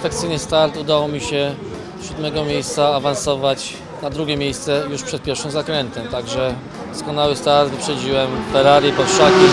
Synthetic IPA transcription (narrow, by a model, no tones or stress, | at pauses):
fɛkt̪sɘjnɘst̪aɾt̪ud̪awɔmʲiɕɛ | ɕud̪mɛɡɔmʲjejst̪saːvansɔvat͡ɕ | nad̪ɾuɡʲɛmʲejst̪sɛjuʂpʂɛt̪̚pʲjɛɾfʂɨmzakɾɛnt̪ɛmt̪aɡʐɛ | d̪ɔskɔnawɘst̪aɾt̪vpʂɛd͡ʑiwɛmfɛɾaɾipɔfʂakʲi